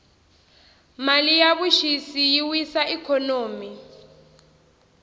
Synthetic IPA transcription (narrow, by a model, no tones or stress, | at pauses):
malijaβuʃisijiwisaikʰɔnoːmi